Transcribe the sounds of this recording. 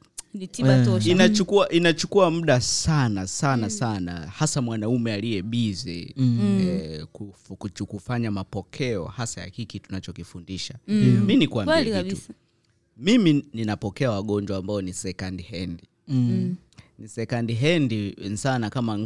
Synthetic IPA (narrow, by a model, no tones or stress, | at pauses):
nitiɓaɔinat͡ʃukuaʔinat͡ʃukuam̩ɗasanasanasana̰hasamwanaumɛalijɛɓizi | kufkut͡ʃukufaɲamapɔkʰɛɔ̰hasaja̰hikitunat͡ʃɔkifundiʃaminikwamlais | mimininapɔkɛawaɠɔɲd͡ʒwambaɔnisɛkandihɛndi | nisɛkandiɦɛndinsanakama